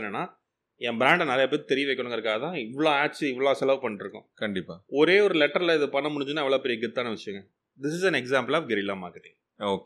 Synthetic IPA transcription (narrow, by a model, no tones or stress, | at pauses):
nːɐnːaː | ɛ̃mbɾãːɳɖnaːlɐɛp̬ːɐːtːit̪ɛɾɪjɐʋeɪkːɐɳʊ̃ŋɡɐɪɾɯkːaːɣɐt̪ãːɪʋːɐɭoːaːʈsɪʋːɐɭoːsɛlɐʋpɐɳːɪʈɾɯkːʊ̃kɐɳɖɪpːaːɔɾeːɔɾɯlɛʈːɐɾlɐɪðɯpɐɳːɐmʊɽɪɲd͡ʒɯnːaːɛʋɐɭoːpɛɾɪijɐɡɪt̪ːaːnɐʋɪʂɪjɯŋɡɐ | d̪ɪsɪsɛ̃nɛksaːmpɐlaːʋɡɛɾɪlaːma̰ːkɐʈːɪŋ | oːkː